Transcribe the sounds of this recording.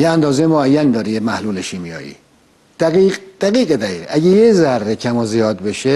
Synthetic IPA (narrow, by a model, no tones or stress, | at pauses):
jeænd̪ɒːzejmoæjːænd̪ɒːɾijemæhluːleʃiːmijɒ̰ːjḭː | d̪̥æɡiːɡd̪̥æɡiːɣed̪æɣḭːɣʔæɟejezærːecʰæmozijɒːd̪̚beʃe